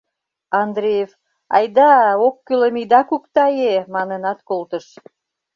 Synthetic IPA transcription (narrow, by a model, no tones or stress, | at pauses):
ɑnd̪ɾʲejef | ɑ̰jd̪ɑokːylemid̪ɑkukt̪ɑjemɑnənɑt̪kolt̪əʃ